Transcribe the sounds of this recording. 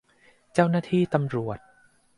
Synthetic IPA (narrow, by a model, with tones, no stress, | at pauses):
t͡ɕa˥˩wnaː˥˩t̪ʰiː˥˩t̪a˧mɾu˨˩ət̪̚